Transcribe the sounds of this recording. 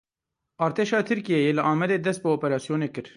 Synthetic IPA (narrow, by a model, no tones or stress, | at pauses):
ɑːɾt̪ʰeːʃɑːt̪ʰɨɾkijɛjelɨʔɑːmɛd̪eːd̪ɛst̪̚bɨoːpɛɾɑːsijoːneːkɨɾ